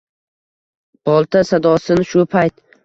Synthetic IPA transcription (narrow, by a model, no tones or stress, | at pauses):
b̥ɒlˠt̪ʰasad̪ɒsɪnɪʃʊpʰajt̪̚